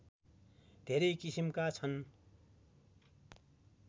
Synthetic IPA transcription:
d̪ʱeɾʌjkisimkat͡sʰʌn

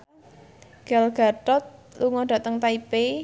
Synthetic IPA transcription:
ɡ̥alɡ̥a̤ʈɔt̪̚luŋɔɖ̥ä̤t̪əŋt̪aipe

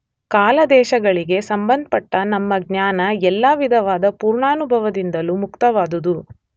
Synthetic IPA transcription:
kaːlɐd̪ɛːʃɐɡɐɭiɡe̞sɐmbɐnd̪̚ʱpɐʈːɐnɐmːɐɡɲaːnɐɛlːaʋid̪ʱɐʋaːd̪ɐpuːɾɳaːnubʱɐʋɐd̪ind̪ɐlumukt̪ɐʋaːd̪ud̪u

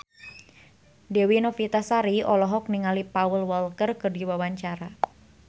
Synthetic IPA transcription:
dɛwinɔfit̪asaɾiɔlɔɦɔk̚niŋalipaəlwɔlkərkərdiwawaɲt͡ʃaɾa

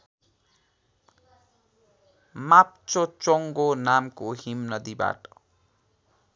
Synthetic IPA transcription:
map̚t͡sot͡soŋɡonamkoɦimnʌd̪iba̰ʈʌ̥

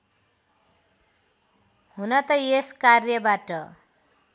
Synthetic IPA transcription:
hunʌt̪ʌjeskarjʌbaʈʌ

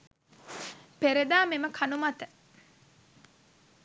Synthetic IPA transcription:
peɾed̪aːmeməkʰanumat̪ə

